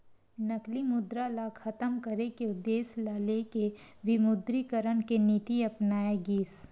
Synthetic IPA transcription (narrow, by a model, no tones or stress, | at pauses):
nɐklimʊd̪ɾalakʰɐt̪əmkəɾekeʊd̪ːeːslalekeʋɪmʊd̪ɾikəɾəɽ̃kenit̪iɐpnaːeɡiːs